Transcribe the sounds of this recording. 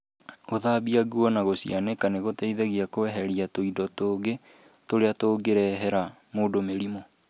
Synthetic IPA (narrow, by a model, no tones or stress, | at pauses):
oðabiaɣuɔnaɣosianekaneɣotɛiðɛɣiakoɛɦɛɾiatoidɔtoːɡe | toɾeatoːɡeɾɛɦɛɾa | moːdomeɾimo